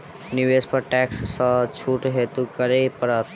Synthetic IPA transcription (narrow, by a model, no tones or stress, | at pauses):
nɪʋeːspɐɾʈɛːksːət͡ʃʰuːʈɦeːt̪ukəɾepɐɾət̪